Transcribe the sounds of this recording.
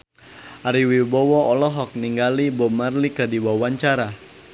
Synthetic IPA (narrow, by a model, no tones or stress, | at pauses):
ʔaɾiwibɔwɔʔɔlɔɦɔk̚niŋɡalibɔmarlikədiwawaɲt͡ʃaɾa